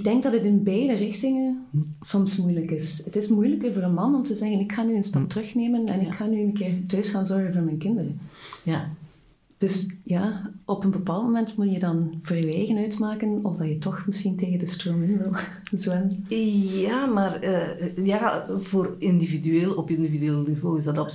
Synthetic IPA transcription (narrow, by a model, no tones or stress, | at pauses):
ɪɡ̚dɛŋɡ̚dɑtətɪnbɛjdərɪxtɪŋənsɔmsmujləkɪsətɪsmujləkərvʊːɾənmɑnɔmtəzɛɣənɪkxaːnyənstɑp̚tərɵxneːmənɛ̰nɪkxaːnyəənkɪːɹtøːsxaːnzɔɹɣənvʊːɹmɛjnkɪndərəj | d̥ɵsjaːʔɔpənbəpaːlˠtmomɛntmutjədɑnv̥rrəweːɣənœɥtmaːkənɔvdɑjətɔxməsxinteːɣəndəstroːmɪnʋɪlˠ | zʋɛn | aːmaːrəjaːvoːrɪndividyeːlˠɔpɪndividyeːlˠnivoːɪzdɑtɔp